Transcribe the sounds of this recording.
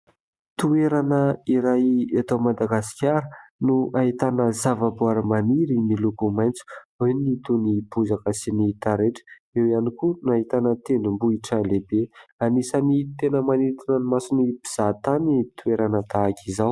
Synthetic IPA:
t̪ueɾanəiɾajat̪awmad̪aɡasi̥kʲaɾənuʔaɦit̪anəzavabuaɾəmaniɾinilukumajnt͡su̥init̪unipuzakəsiniit̪aɾeʈ͡ʂə̥ | ewianikunaɦit̪anət̪enumbuiʈ͡ʂəlebeanisanit̪enəmanit̪inənimasinibiz̥at̪anit̪ueɾanət̪aːkizaw

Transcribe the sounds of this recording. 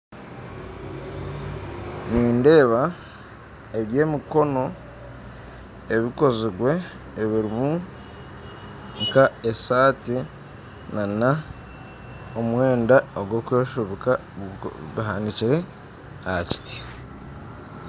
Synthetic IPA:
niːnde̞ːβa | eβje̞ːmiko̞no̞ | eβiko̞ziɡwe̞ː | βiɾimu | ŋkaesaːti | nana | omwe̞ːndaoɡwo̞kweːʃuβika | βiɦaːndiciɾe̞ | aaci̥ti̥

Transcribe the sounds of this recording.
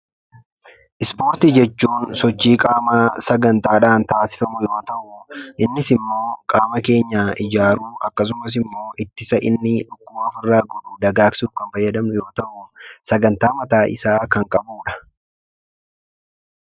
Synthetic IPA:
ʔɪspo̞ːɾt̪id͡ʒɛt͡ʃːuːnsɔt͡ʃːiːkʼaːmaːsɐɡɐnt̪aːᶑaːnt̪aːsɪ̥fɐmʊjo̞ːt̪ɐʔʊʔɪnːɪsɪmːo̞ːkʼaːmɐke̞ːɲːaːʔɪd͡ʒaːɾuːʔɐkːɐs̬ʊmɐs̬ɪmːo̞ːʔɪt̪ːɪsɐʔɪnːɪᶑʊkːʊmːfɪrːaːɡɔᶑud̪ɐɡaːksuːfkɐnfɐjːɐd̪ɐmnʊjo̞ːt̪ɐʔʊsɐɡɐnt̪aːmɐt̪aːʔɪ̰saːkɐŋkʼɐbuːᶑɐ̥

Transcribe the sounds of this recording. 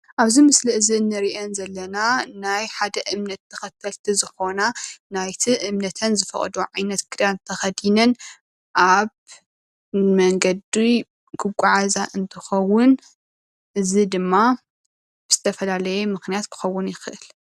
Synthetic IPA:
ʔaβzimɨsliʔɨzinːɨɾiʔenzɐlːɐnanajħad̪ɐʔɨmnɐt̪ʰːɐxɐt̪ʰːɐlt̪ʰizɨxo̞nanajt̪ʰiʔɨmnɐt̪ʰɐnzɨfɐ̰χʼd̪oʕajnɐt̪ɡʰɨɾant̪ʰɐxɐd̪inɐn | ʔaβ | mɐŋɡɐd̪i | kʰɨɡʷʼaʕazaʔɨnt̪ʰɨxɐwːʊn | ʔɨzid̪ɨmːa | bɨz̥ɨt̪ʰɐfɐlalɐjemɨxnijat̪kʰɨ̥xɐwːʊnjɪxɨʔɨl

